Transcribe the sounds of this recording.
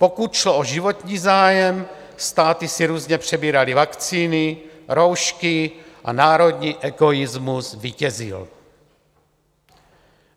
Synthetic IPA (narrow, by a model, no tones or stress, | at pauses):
po̞kut̪ʃloʔoʒivo̞t̪ɲiːzaːjɛm | st̪aːt̪ɪsiɾuːzɲɛpr̝̥ɛbiːɾalivakt͡siːnɪɾo̞wʃkɪʔa̰naːɾo̞d̪ɲiːʔɛɡo̞jɪzmuzviːcɛzɪ̰l